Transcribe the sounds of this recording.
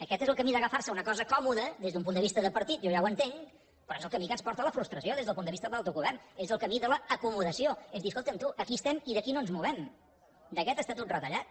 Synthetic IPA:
əkɛt̪ezəlˠkəmiðəɣəfarsəunəkɔzəkɔmuðəðezðump̬unəβist̪əðəpəɾt̪it̪ʒɔʒawənt̪eŋ | pɾɔezəlˠkəmikənspɔɾt̪ələfɾust̪ɾəsioðezðəpund̪əβist̪əðəlalˠt̪uɣuβɛrnezəlˠkəmiðələːkumuðəsioezðiəs̬kolˠt̪əmt̪uʔəkist̪ɛmiðəkinoənzmuβɛm | d̪əkɛt̪əst̪at̪ot̪rət̪əʎat̪̚

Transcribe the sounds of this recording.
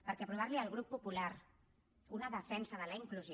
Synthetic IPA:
pəɾkɛpɾuβaɾliəlˠɣ̞ɾupːupulaɾ | unəðəfɛnsəðələiŋkluz

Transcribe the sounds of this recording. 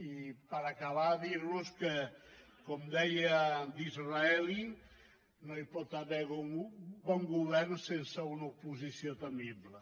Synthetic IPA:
ipəɾakəβaðiɾnuskə | kɔmd̪ɛjəd̪izraɛli | noipɔt̪əβɛɣobɔŋɡuβɛɾnsensəunɐupuzisiot̪əmiβlə

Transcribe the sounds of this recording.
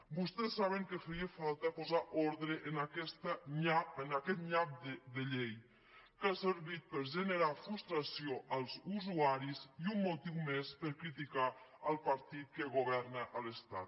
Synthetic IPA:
bust̪ɛsːaβ̞əŋkəfəɾiefalˠt̪apuzaʔoɾðɾəʔːnakɛst̪əɲaənakɛt̪ʎap̚d̪əd̪əʎej | kasəɾβit̪̚pəɾʒənəɾafɾust̪ɾasioʔəlˠzuzuaɾiziumːut̪iwmespəɾkɾit̪ikaəlˠpaɾt̪it̪̚kəɣoβɛɾnəʔələst̪a̰t̪

